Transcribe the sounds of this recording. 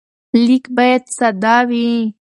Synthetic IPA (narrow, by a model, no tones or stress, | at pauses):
likbɑjad̪sad̪ɑwi